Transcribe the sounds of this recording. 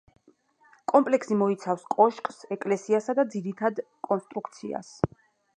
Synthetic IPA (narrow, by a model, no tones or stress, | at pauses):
kʼɔmpʼlɛksimɔit̪sʰafskʼɔʃkʼsɛkʼlɛsiasad̪ad̪ziɾit̪ʰad̪ | kʼɔnst̪ʼɾukʰt̪sʰia̰s